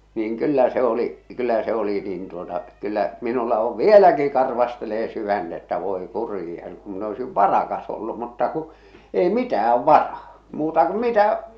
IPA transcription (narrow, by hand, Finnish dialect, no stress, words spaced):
niːŋ kylːæ se oliʔ kylːæ se oli nin tuotɑ kylːæʔ minulːɑ oʋ ʋielæki kɑrʋɑsteleː syʋænd̥ etːæ ʋoi kurijɑ kum min oisiʋ ʋɑrɑkɑs olːu mutːɑ ku ei mitææʋ ʋɑrɑː muːtɑ ku mitæ